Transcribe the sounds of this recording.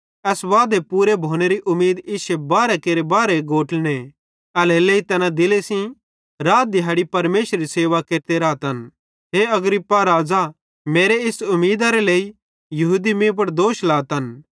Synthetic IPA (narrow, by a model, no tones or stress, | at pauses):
ɛːsʋaːd̪epuːɾebʱoːneɾiʔʊmeːd̪ɪʃebaːɾekeːɾebaːɾeɡoːʈne | ɐleleːit̪ɐnãd̪ɪlesĩ | ɾaːd̪ɪɦɐːɽipɐɾmeːʃɾɾiseːʋakeːɾt̪eɾaːt̪ɐn | ɦeɐɡɾɪpːaɾaːd͡za | meːɾeɪsʊmiːd̪aɾeleːi | jɐɦud̪imĩp̬ɐɽd̪oːʃlaːt̪ɦɐn